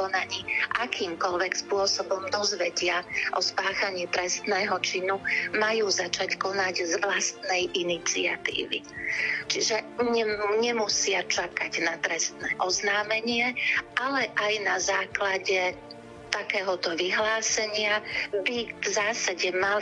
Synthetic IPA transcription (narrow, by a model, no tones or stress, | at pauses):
ɔnaɲiːʔakiːmkɔlʋɛkspʊɔsɔbɔmd̪ɔzʋɛɟɪaʔɔspaːxaɲɪɛt̪ɾɛst̪nɛːɦɔt͡ʃinumajuːzat͡ʃackɔnaɟzʋlast̪nɛjʔinit͡sḭat̪ḭːʋḭt͡ʃiʒɛɲɛɲɛmusɪat͡ʃakaɟnat̪ɾɛst̪nɛːʔɔznaːmɛɲɪɛʔalɛʔajnazaːklaɟɛ | t̪akɛːɦɔt̪ɔʋiɦlaːsɛɲɪabivzaːsaɟɛmal